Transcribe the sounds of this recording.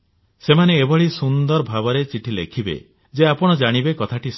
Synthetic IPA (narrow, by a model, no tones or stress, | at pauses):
semaneːbɔɭisund̪ɔɾbʱabɔɾet͡ʃiʈʰilḛkʰibḛ | d͡ʒeapɔɽ̃ɔd͡ʒaɽ̃ibekɔt̪ʰaʈis